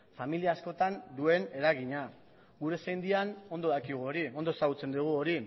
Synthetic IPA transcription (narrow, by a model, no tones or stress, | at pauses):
familiaːsko̞t̪and̪ue̞ne̞ɾaɣ̞iɲa | ɣuɾe̞sajnd̪iano̞nd̪o̞ðakiɣ̞uoɾiond̪osaɣut͡se̞nd̪uɣ̞uo̞ɾi